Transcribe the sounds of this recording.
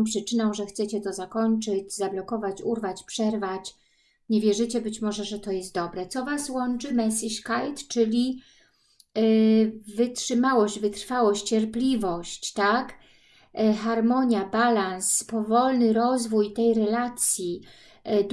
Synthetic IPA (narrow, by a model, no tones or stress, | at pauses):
pʂɘt͡ʂɘnɔw̃ʐɛxt̪sɛt͡ɕɛt̪ɔzakɔɲt͡ʂɘd͡ʑzablɔkɔvat͡ɕuɾvat͡ɕpʂɛɾvat͡ɕ | ɲɛvʲjɛʐɘt͡ɕɛbɘt͡ɕmɔʐɛʐɛt̪ɔjɛst̪̚d̪ɔbɾɛt̪sɔvaswɔnt͡ʂɘmɛsʲiʂkajt̪t͡ʂɘlʲi | vɘtʂɘmawɔɕd͡ʑvɘt̪ɾfawɔɕt͡ɕt͡ɕɛɾplʲivɔɕt͡ɕt̪ak | xaɾmɔɲjabalanspɔvɔlnɘɾɔzvujt̪ɛjɾɛlat̪sʲji | d̪